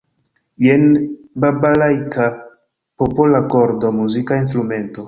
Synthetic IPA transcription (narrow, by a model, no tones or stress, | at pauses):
jenbabalajka | popolakoɾdomuzikainst̪ɾume̞nto̞